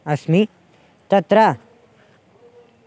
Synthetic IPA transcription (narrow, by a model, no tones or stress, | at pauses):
ɐsmi | t̪ɐt̪ɾa